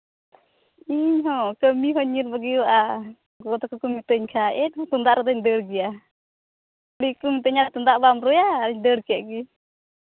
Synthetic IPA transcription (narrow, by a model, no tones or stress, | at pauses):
iɲɦɔkəmiɦɔɲirbaɡiʔa | ɡɔt̪ɔkəkəmit̪əɲkʰaʔɛnt̪und̪aʔɾɔt̪əɲdəɾɡia | likumit̪̬əɲat̪und̪aʔbamɾujaɲdəɾkɛʔɡi